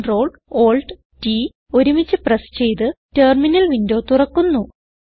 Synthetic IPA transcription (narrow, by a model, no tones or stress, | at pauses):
ro̞ːɭ | oːlɖ | ti | o̞ɾumit͡ɕːɨprɐst͡ɕe̞jt̪ɨteːrminɐlʋindoːt̪urɐkːunːu